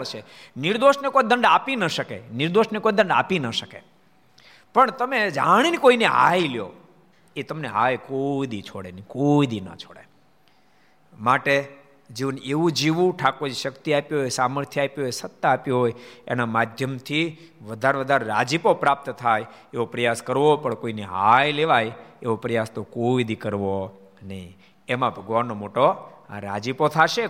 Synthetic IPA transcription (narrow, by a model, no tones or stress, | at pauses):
t͡ʃʰeniɾd̪oʃnekojd̪əɳɖapinəʃəkḛnɪɾd̪oʃnekojd̪əɳɖa̰pinəʃəkḛ | pəɳt̪əmed͡ʒaɽ̃inikoinea̰iljo̰ | et̪əmnea̰ekoid̪it͡ʃʰoɽḛnikoid̪inə̰t͡ʃʰoɽe | maʈe | d͡ʒiʋəneʋũd͡ʒiʋũʈʰakod͡ʒʃəkt̪iapjɦojsaməɾt̪ʰjəapjoɦojsət̪ːaːpjoɦojḛnamad̪ʱjəmt̪ʰi | ʋəd̪ʱaɾʋəd̪ʱaɾeɾad͡ʒipopɾap̚t̪t̪ʰajeʋopɾəjaskəɾʋopəɳkoineɦajleʋajeʋopɾəjast̪okoid̪ikəɾʋo | nəĩ | emãbʱəɡʋanːomoʈoaɾad͡ʒipot̪ʰaʃe